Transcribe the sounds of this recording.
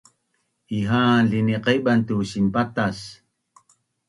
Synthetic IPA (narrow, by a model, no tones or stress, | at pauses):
iɦaːnɮiniqeɓant̪usimpat̪as